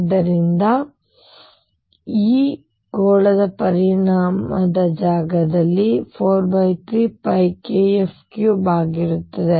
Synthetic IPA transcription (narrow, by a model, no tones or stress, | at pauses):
d̪ːɐɾind̪ɐ | iː | ɡoːɭɐd̪ɐpɐɾiɳaːmɐd̪ɐd͡ʒaːɡɐd̪ɐlːipʰoːɾbɐjt̪ʰɾiːpɐjkeepʰkjubaːɡiɾut̪ːɐd̪e